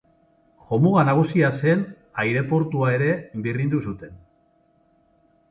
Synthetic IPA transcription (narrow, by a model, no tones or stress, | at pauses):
xo̞muɣanaɣ̞usiase̞n | ajɾe̞po̞ɾt̪uae̞ɾe̞birind̪usut̪e̞n